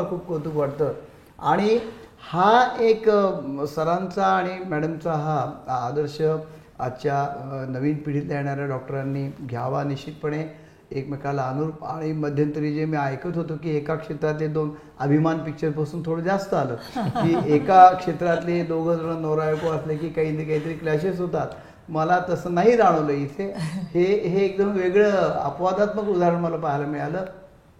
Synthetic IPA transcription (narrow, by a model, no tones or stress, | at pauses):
kʰuːp̚kət̪uːkʋaɽt̪əː | aɽ̃ihaeksəɾãnt͡saːɽ̃imæɽəmt͡saɦaːd̪əɾɕə | at͡ɕjanəʋiːnpiɽit̪lajeɽ̃aɾjaɖɔk̚ʈəɾanːiːɡʱjaʋaniɕit̪̚pəɳe | ekmekalaənuɾupaɽ̃iməd̪ʱjənt̪əɾid͡ʑemiːajkət̪ɦot̪okiːekakʂet̪ɾat̪led̪on | əbʱimanpik̚t͡ɕəɾpasuːnt̪ʰoɽəːd͡zast̪əaləːkiːekakʂet̪ɾat̪led̪oɡʱət̪əɳənɔɾajokoəslekiːkaɦiːt̪ikaɦiːt̪əɾiːklaɕesɦot̪at̪ | məlat̪əsəːnaɦid͡zaɽ̃əʋləit̪ʰeheɦeːk̚d̪əmʋeɡɭəːə̰pʋad̪at̪məkud̪ʱaɾəɳməlapaɦelamiɭaləː